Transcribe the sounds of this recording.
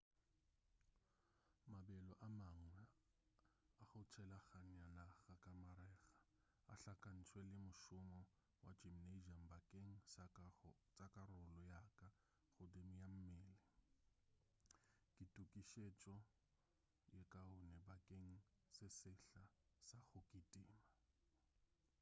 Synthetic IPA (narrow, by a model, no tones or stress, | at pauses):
mabɛlɔʔamaŋwɛ | aχʊt͡ʃʰɛlaχaɲanaɣakʼamaɾɛːɣḁ | a̰ɬakʼan̩t͡sʰwɛlɪmʊʃʊmɔ | wad͡ʒimned͡ʒam̩bakʼeŋ̩ | t͡sʼakʼarʊlɔjakʼa | χʊdemijam̩meːlɪ | kʼitʼukʼiʃet͡ʃʼɔ | jekʼaɦʊnɛbakʼeŋ̩ | sɪsɪɬasaɣʊkʼitʼiːma